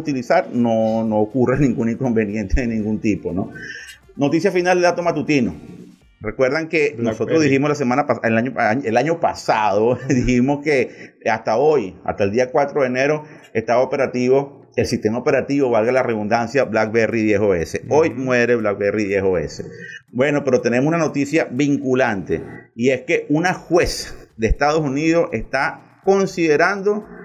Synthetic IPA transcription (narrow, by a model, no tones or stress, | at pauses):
ut̪ilisaɾnonoːkurenĩŋɡunĩŋko̞mbe̞nje̞nt̪eðe̞nĩŋɡunt̪ipo̞no | no̞t̪isjafinald̪eðat̪omat̪ut̪ino | re̞kwe̞ɾðaŋkenoso̞t̪ɾoðihimoslas̬emãnapaeaɲoelaɲo̞pa̰sað̞o̞ðiximoskeast̪aoja̰ht̪aeld̪iakwat̪ɾo̞ðeneɾo̞ | est̪aβaope̞ɾat̪iβo̞ | elsist̪e̞maope̞ɾat̪iβo̞βalɣalareðund̪ansjaβlak̚beriðje̞hoe̞se̞ojmwe̞ɾeβlak̚beriðjehoḛse̞bwe̞no̞pe̞ɾo̞t̪e̞nemosunano̞t̪isjaβiŋkulant̪e̞̰ie̞ske̞unaxwe̞sd̪eːst̪aðo̞suniðo̞se̞st̪a | ko̞nsiðe̞ɾand̪o̞